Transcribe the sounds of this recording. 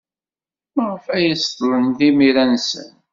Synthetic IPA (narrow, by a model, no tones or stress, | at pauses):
məʁəfæjəst̪ˤlənðimiɾænsə̰n